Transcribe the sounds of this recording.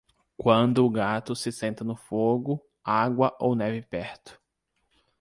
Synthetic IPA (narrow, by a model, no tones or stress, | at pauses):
kwɐ̃nd̪ʊːɡat̪ʊsɪsẽnt̪ɐnʊfoɡʊ | aɡwɐʔownɛvɪpɛɾt̪ʊ̥